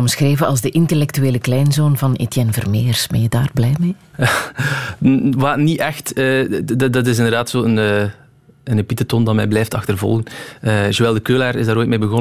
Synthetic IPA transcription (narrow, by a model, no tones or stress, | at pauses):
ɔmsxreːvəɑ̰lˠzdəʔɪntelɛktyeːləklɛjnzoːnvɑnḛtjɛnvərmeːərsbɛnjədaːrblɛjmeː | waːniʔɛxtəddɑtɪs̬ɪndərdaːtsoːənə | ənepitətɔndɑtmɛjblɛjftɑxtərvɔ̰lˠɣənəːzoːʋɛlˠdəkøːlaːɾɪzdaːɾoːjt̚meːbəɣɔ